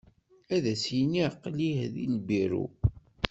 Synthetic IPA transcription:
æðæsjniqːlihðḭlbiɾṵ

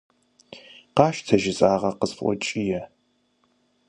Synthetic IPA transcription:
qɑːʃtʰɐʒɪzʼaːʁɐqəsfʔʷɔ̰t͡ʃʼijɛ

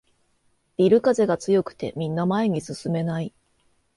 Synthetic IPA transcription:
b̥ʲiɾɯ̟kaze̞ɡat͡sɨjo̞kɯ̟̥t̪e̞̰mʲĩnːamae̞ɲ̟isɨsɨme̞nai

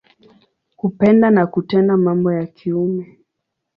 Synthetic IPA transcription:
hupɛndanakutɛndamambɔjakʰiumɛ

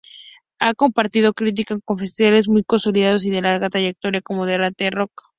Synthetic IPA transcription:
ako̞mpaɾt̪iðo̞kɾit̪̬ikako̞ɱfe̞st̪iβale̞zmujko̞nsoliðaðo̞s̬iðelaɾɣat̪ɾaʝek̚t̪o̞ɾjako̞moðeɾat̪ero̞k

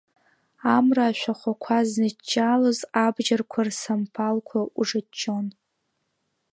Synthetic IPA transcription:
amraːʃʷᶣaχʷakʷʰaznɨt͡ʃʼːalozabʒarkʷʰarsampʰalkʷʰauʐat͡ʃʼːon

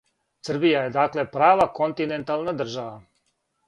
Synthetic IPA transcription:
sr̩bijajed̪akle̞pɾaːʋakont̪inent̪alˠnad̪r̩ʒaʋa

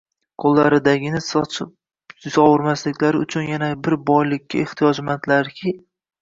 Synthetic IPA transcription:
qʰolˠːaɾɪd̪aɡʲɪnɪsʰɪ | zɒwʊɾmaslɪkʲlaɾɪʊ̰t͡ʃʰʊnjanabɪɾbɒjlɪkʲʰːaeχt̪ʰijɒd͡ʒmat̪laɾkʲʰɪ

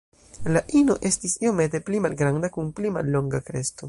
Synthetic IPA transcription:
laʔino̞ʔe̞stisio̞me̞te̞plimalɡɾandakunplima̰lːo̞ŋɡakɾe̞sto̞

